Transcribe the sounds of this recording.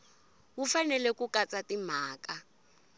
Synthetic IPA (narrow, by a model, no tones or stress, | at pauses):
wufanɛlɛkukat͡satim̤aːka